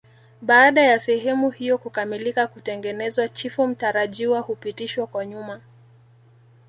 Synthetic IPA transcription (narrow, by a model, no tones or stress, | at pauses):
ɓaːɗajasɛɦɛmuhijɔkukamilikakutɛŋɡɛnɛzwat͡ʃifum̩taɾaʄiwahupitiʃwakwaɲuma